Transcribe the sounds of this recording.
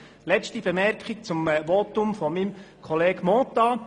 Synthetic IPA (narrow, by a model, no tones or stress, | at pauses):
lɛt͡stibemɛɾkχik̚t͡sʊmʋɔt̪ʊmfɔmimkʰɔleːɡmɔːt̪ɑ